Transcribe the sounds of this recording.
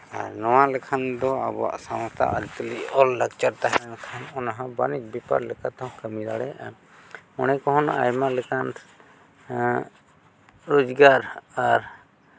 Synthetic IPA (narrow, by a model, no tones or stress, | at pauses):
a̰ɾnɔwalɛkʰand̪ɔabɔa̰ʔsãw̃st̪ʰa̰ʔəɾit̪əliʔɔlːakt͡ʃaɾt̪aɦɛnkʰanɔnaɦãbanit͡ʃ̚bɛpa̰ɾlɛkat̪ɔɦkəmid̪aɽɛ | ɔnɛkɔɦɔna̰jmalɛkʰan | ɾod͡ʒɡaɾaɾ